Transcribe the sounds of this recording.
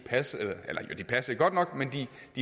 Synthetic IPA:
pʰæselɐʔelɐjod̥ipʰæsɐd̥eɡ̥ɒ̽d̥nɒ̽ɡ̥mend̥i | d̥i

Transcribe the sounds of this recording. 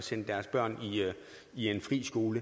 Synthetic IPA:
sen̰əd̥æɐsb̥ɶɐ̰ni | ie̝nfʁḭːsɡ̥o̝ːlə

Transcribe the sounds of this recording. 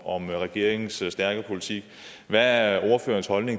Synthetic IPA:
ɒ̽mʁɛɡ̥e̝ɐ̰e̝ŋn̩ssd̥æɐɡ̥ɐpʰo̝lit͡sʰiɡ̥ | ʋææɒʊɐfø̰ːɐnshɒ̽lne̝ŋ

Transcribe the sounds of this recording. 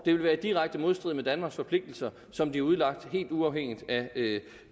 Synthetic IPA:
d̥e̝ʋe̝lʋæːɐd̥iʁaɡ̥̚d̥əmo̝ð̞ˠsd̥ʁið̰ˠmed̥ænmɑ̈ɡsfɒ̽pʰle̝ɡ̥̚d̥l̩sɐ | sɒ̽md̥iæuð̞̩ˠlɑ̈ɡ̥̚d̥he̝̰ːld̥uɑ̈ʊheŋ̰id̥æ

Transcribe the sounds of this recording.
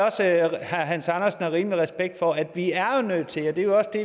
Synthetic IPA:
ɒ̽səhɑɦænsɑnɐsn̩ɑʁiːmliʁɛsb̥eɡ̥̚d̥fɒæd̥ʋiæɐo̝nøð̥̰ˠt͡sʰe̝lɒd̥e̝jo̝ɒ̽səd̥e̝

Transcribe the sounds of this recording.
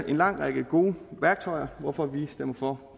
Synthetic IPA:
ʔe̝nlɑ̈ŋ̰ʁɑɡ̥əɡ̥o̝ːʋæɐɡ̥̚t͡sʰɒ̽ɪ̰ɐʋɒfɒ̽ʋisd̥em̰ɐfɒ̽

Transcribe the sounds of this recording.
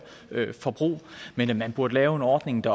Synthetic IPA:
øfɒ̽b̥ʁṵːmenmænb̥uɐd̥əlɛːʊe̝nɒːd̥ne̝ŋd̥ɑ̈

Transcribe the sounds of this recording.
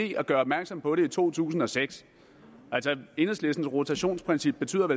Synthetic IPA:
e̝̰ɒɡ̥ɶːɐɒb̥mæɐɡ̥sɒ̽m̰pʰɒ̽ɾe̝it͡sʰo̝̰ːt͡sʰṵːsn̩ɒ̽seɡ̥s | ʔælsɒe̝nəsle̝sd̥n̩sʁot͡sʰæɕo̝̰ːnspʰʁɛnsib̥̚ːe̝t͡sʰy̰ːð̰ˠɐʋe

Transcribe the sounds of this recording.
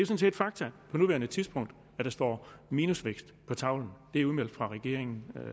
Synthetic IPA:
d̥e̝sɔ̽ns̬e̝ːd̥fɑ̈ɡ̥̚t͡sʰæpʰɒ̽nuʋæɐnət͡sʰiðˠsb̥ɔ̽ŋ̰d̥ | æd̥ɑ̈sd̥ɒ̰ːmiːnusʋeɡ̥sd̥pʰɒ̽t͡sʰɑ̈ʊ̰ln̩d̥e̝æɐuðˠmel̰d̥fʁɑ̈ʁɛɡ̥e̝ɐ̰eŋn̩

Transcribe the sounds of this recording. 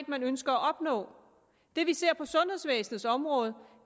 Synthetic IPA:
d̥mænønsɡ̥ɐæʔɒ̽b̥nɔ̰̽ː | d̥e̝ʋise̝ɐ̰pʰɒ̽sɔ̽nhe̝ðˠsʋḛːsn̩ð̩ˠsɒ̽mʁɔ̽ːð̞̩ˠ

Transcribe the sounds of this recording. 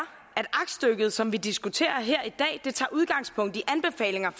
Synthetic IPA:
æd̥ɑ̈ɡ̥sd̥øɡ̥ð̞̩ˠsɒ̽mʋid̥isɡ̥ut͡sʰe̝̰ːɐɦeɐ̰id̥ɛ̰ːd̥e̝t͡sʰɑ̰̈ːuð̞ˠɡ̥ɑ̈ŋ̰spʰɔ̽ŋ̰d̥iʔænb̥e̝fɛ̰ːle̝ŋɐ

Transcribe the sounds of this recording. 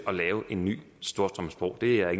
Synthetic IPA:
ɒ̽lɛːʊʔe̝nːy̰ː | sd̥o̝ːɐsd̥ʁɒmsb̥ʁɒ̰ʊ̰d̥e̝æeɡ

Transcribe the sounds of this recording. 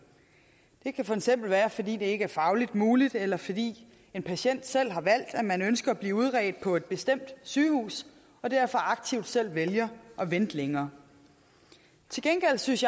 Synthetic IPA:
d̥e̝kʰæfɒ̽eɡ̥sem̰b̥l̩ʋæːɐfɒ̽d̥ḭːd̥e̝e̝ɡ̥əæɐfɑ̈ʊlid̥muːlid̥elɐfɒ̽d̥ḭː | e̝npʰæɕen̰d̥sel̰ɦɑ̈ʋæl̰d̥æmænønsɡ̥ɐːb̥liːuð̞ˠʁɛːd̥̚pʰɒ̽e̝d̥̚b̥e̝sd̥em̰d̥syːhṵːs | ɒ̽d̥æɐfɒ̽ʔɑ̈ɡ̥̚t͡sʰiʊd̥sel̰ʋeljɐʔɒ̽ʋend̥leŋɐː | t͡sʰe̝lɡ̥enɡ̥el̰̥synsj

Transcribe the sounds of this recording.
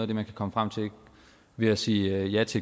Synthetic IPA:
ðˠɐd̥e̝mænkʰækʰɒ̽məfʁäm̰t͡sʰe̝̥ | ʋe̝æsiːjæt͡sʰe̝

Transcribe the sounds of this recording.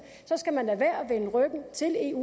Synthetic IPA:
sɒ̽sɡ̥æmændæʋæɐ̰ʋenəʁœɡ̥n̩t͡sʰe̝le̝ːu

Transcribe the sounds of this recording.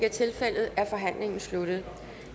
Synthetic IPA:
ɡ̥ət͡sʰe̝lfel̰ð̩ˠæɐfɒ̽ɦæn̰le̝ŋn̩slud̥ð̩ˠ

